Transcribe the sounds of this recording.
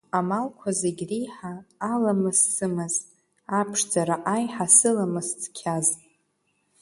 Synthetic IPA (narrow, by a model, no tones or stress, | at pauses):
amalkʷʰazeɡʲrijħaːlamɨssɨmɨz | apʰʂd͡zaɾaʔajħasɨlamɨst͡sʰkʲʰaztʼ